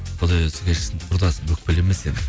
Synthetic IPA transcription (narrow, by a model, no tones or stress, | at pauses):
qʰʊd̪ɑjɵsɪ̥kʲʰeʃɪ̥sɪnqʰʊɾd̪ɑsəbɵk̚pɪlemesenɪ